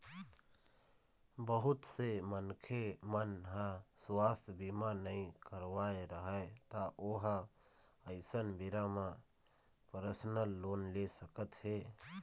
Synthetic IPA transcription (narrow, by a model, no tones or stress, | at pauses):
bəɦʊt̪semənkʰemənɦãswaːsbimanəĩkəɾʋaeɾəɦət̪aʔoɦa | əɪsənbiɾamã | pəɾəsnəlːoːnlesəkət̪ɦe